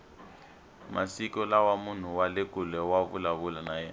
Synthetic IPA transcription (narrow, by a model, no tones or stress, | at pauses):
mʔasikɔlawamun̤uwalekʼulɛwavṵlaβulanajɛ̰ːna